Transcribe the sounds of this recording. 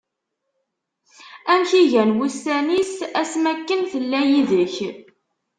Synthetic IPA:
æmçiʝænwustænisæsmækːənθəlːæjiðəç

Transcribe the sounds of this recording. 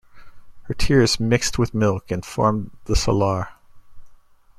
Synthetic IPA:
hə˞tʰɪɹz̥mɪkst̚wɨðmɪlˠkɨ̃nfɔ̰ɹmðəsə̰lɑɹ

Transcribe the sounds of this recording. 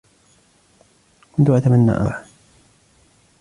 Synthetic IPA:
kʊnt̪ʊʔat̪amanːa̰ːʔa̰ħ

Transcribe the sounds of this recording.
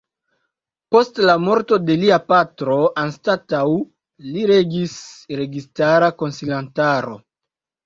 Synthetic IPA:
po̞stlamo̞ɾto̞de̞liapatɾo̞ʔanstataw | liɾeɡisɾe̞ɡistaɾako̞nsilantaɾo̰

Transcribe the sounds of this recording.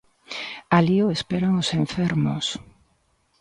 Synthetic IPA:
aliʊespeɾaŋoseɱfɛɾmo̰s

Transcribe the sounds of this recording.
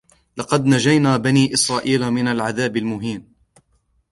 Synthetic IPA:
lɑqɑd̪nad͡ʒajnaːbaniːʔɪsɾˤɑːʔiːlamɪnalʕaðaːbɪlmʊɦiːn

